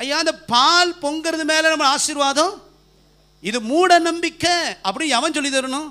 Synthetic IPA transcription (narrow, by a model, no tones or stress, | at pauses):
ɐjːaːɪnd̪ɐpaːlpɔŋɡɯɾɐðɯmeːlɐnɐmːɐɭaːsɪɾʋaːðɐ̃ | ɪðɯmuːɽɐnɐmbɪkːɐɐpːɐɽiɐʋɐ̃ns̬ɔlːɪðɐɾɐnʊ̃